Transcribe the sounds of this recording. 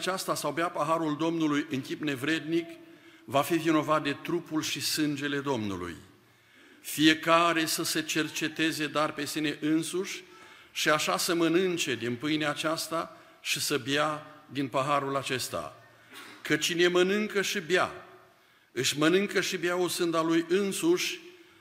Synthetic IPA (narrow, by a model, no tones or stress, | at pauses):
t͡ʃast̪asawbeapəɦaɾuld̪o̞mnulujʔɨŋkʲipne̞vɾe̞d̪nikvafivino̞vat̪̚d̪e̞t̪ɾupulʃisɨnd͡ʒe̞le̞d̪o̞mnṵlṵj | fije̞kaɾe̞səse̞t͡ʃe̞rt͡ʃe̞t̪e̞ze̞d̪oarpe̞sine̞ʔɨnsuʃʲʃiaʃasəmənɨnt͡ʃe̞d̪inpɨjneat͡ʃast̪a | ʃisəbjad̪inpəɦaɾulat͡ʃe̞st̪a̰ | kət͡ʃine̞mənɨŋkəʃibja̰ | ɨʃmənɨŋkəʃibjausɨnd̪alujɨnsuʃʲ